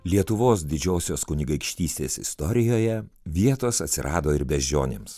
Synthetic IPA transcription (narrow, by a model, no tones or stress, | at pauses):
lʲiɛt̪ʊʋoːsd̪ʲɪd͡ʒʲoːsʲoːskʊnʲɪɡɐɪkʃʲt̪ʲiːsʲt̪ʲeːsɪ̰st̪ɔɾʲɪjoːjɛʋʲiɛt̪oːsɐt̪ʲsʲɪɾʔɑːd̪oːɪɾbʲɛzʲd͡ʒʲo̰ːnʲḛːms